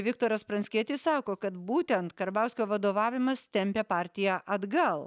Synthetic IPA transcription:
ʋʲɪkt̪oːɾɐspɾɐnsʲkʲiɛt̪ʲɪsɑːkoːkɐt̪buːt̪ʲɛnt̪kɐɾbɐˑʊsʲkʲoːʋɐd̪oːʋɑːʋʲɪmɐst̪ʲɛmʲpʲeːpɑːɾʲt̪ʲɪjæːʔɐd̪ɡɐlˠ

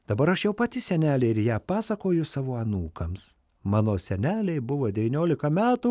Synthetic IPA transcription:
d̪̥ɐbɐɾɐʃjɛʊpɐt̪ʲɪsʲɛnʲæːlʲɛɪɪɾjæːpɑːsɐkoːjʊsɑːʋoːɐnuːkɐms | mɑːnoːsʲɛnʲæːlʲɛɪbʊʋoːd̪ʲɛʋʲɪːnʲoːlʲɪkɐmʲæːt̪u

